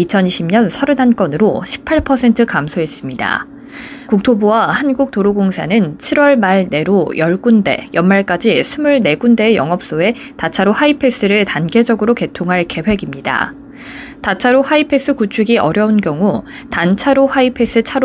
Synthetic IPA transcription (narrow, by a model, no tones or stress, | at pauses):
it͡ɕʰʌniɕʰimɲʌnsʰʌɾɯnɦank͈ʌnɯɾoɕʰi̥pʰaɭpʰʌsʰe̞ntʰɯkamsʰoe̞s͈ɯmɲida̰ | kuk̚tʰobuwahanɡuk̚toɾoɡoŋsʰanɯnt͡ɕʰiɾwʌɭmaɭne̞ɾojʌɭk͈unde̞̰jʌnmaɭk͈ad͡ʑisʰumuɭne̞ɡunde̞ːjʌŋʌp̚s͈oe̞ | tat͡ɕʰaɾohaipʰe̞s͈ɯɾɯɭtanɡe̞d͡ʑʌɡɯɾoke̞tʰoŋɦaɭke̞ɸwe̞ɡimɲida̰ | tat͡ɕʰaɾohaipʰe̞s͈ɯkut͡ɕʰuɡiʔʌɾjʌunkjʌŋu | tant͡ɕʰaɾohaipʰe̞s͈ɯt͡ɕʰaɾo